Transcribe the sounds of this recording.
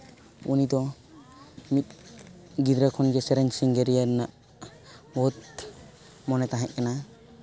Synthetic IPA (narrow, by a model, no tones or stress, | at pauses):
unid̪ɔ | mit̪̚ɡid̪ɾakʰɔnɡɛsɛɾɛɲsiŋɡɛɾijaɾnaʔ | bɔt̪̚ | mɔnɛt̪aɦɛʔ̚kana